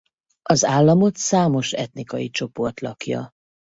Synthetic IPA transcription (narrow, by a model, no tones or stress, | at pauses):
ɒzaːlːɒmo̞t̪saːmo̞ʃɛ̰t̪nikɒjit͡ʃo̞po̞rt̪lɒkjɒ̰